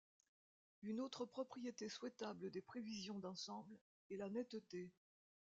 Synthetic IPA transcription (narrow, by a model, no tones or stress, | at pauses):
ynot̪χəpχɔpχijet̪eswɛt̪abləd̪epχevizjɔ̃d̪ɑ̃sɑ̃bl | ɛlanɛt̪t̪e